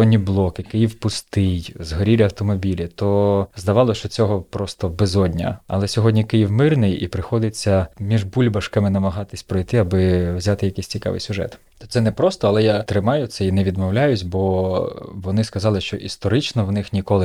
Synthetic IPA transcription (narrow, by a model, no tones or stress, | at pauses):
ɔdʲnʲiblˠɔkɪkɪjiwpʊst̪ɪjzɦɔɾʲiɾʲɐwt̪ɔmɔbʲilʲit̪ɔzd̪ɐʋɑlˠɔt͡ʃɔt͡sʲɔɦɔpɾɔst̪ɔbɛzɔdʲnʲɐ̰ɐ̰lˠɛsʲɔɦɔdʲnʲikɪjiwmɪrnɪjḭpɾɪxɔd̪ɪt͡sʲːɐmʲiʒbulʲbɐʃkɐmɪnɐmɐɦɑt̪ɪsʲpɾɔjt̪ɪɐbɪwzʲat̪ɪjɐkɪsʲt͡sʲikɑ̰ʋɪ̰jsʲʊʒɛ̰t̪ | t̪ɔ̥t̪sɛnɛpɾɔst̪ɔɐlˠɛjat̪ɾɪmɑjʊsʲɛinɛʋʲid̪mɔwlʲajʊsʲbɔ | ʋɔnɪskɐzɑlˠɪʃt͡ʃɔʔist̪ɔɾɪt͡ʃnɔwnɪxnʲikɔlˠɪ